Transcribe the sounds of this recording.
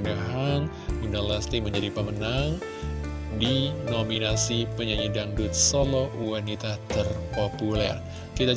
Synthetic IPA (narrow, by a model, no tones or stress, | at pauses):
ndəɦaŋ | indalast̪iməɲd͡ʒadipəmənaŋ | dinominasipəɲaɲidaŋdut̪̚solowanit̪at̪ərpopulɛ̰r | kit̪a